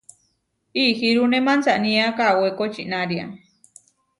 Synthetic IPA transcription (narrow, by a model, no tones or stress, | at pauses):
ihiɾunemant͡saʔnĩakawekot͡ʃiʔnaɾia̰